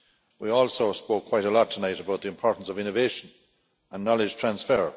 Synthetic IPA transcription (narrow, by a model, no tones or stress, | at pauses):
wiɔːlˠsoʊspoʊkʰw̥aɪɾəlɔtʰənaɪɾəbaʊt̪̚ðiɨ̃ɪ̃mpʰɔːɹʔn̩səvɪ̃nəveɪʃə̃n | ə̃nːɑlɪd͡ʒ̥tʰɹ̥ãnsfɛɹ